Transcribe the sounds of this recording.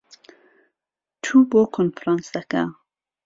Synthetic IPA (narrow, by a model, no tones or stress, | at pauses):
t̪ʰubokʰonfɾɑnsd̪ɐka̰